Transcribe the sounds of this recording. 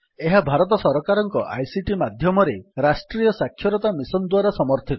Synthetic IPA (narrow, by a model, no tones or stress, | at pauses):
eɦabʱaɾɔt̪̬ɔsɔɾɔkaɾɔŋkɔʔa̰jsiʈimad̪ʱjɔmɔɾeɾasʈɾijɔsakʰːjɔɾɔt̪amisɔnd̪waɾasɔmɔɾt̪ʰi